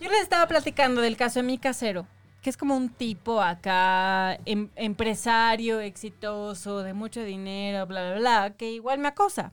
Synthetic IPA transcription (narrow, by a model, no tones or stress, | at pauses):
ʝolesest̪aβaplat̪ikand̪oðe̞lkasoðemikaseɾo | keeskomount̪ipoaka | eempɾesaɾjoeksit̪osoðemut͡ʃoðineɾoβlaβlaβlakeiɣwalmeakosa̰